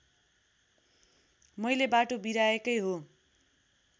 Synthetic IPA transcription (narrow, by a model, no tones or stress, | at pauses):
mʌjlebaʈobiɾaekʌjɦo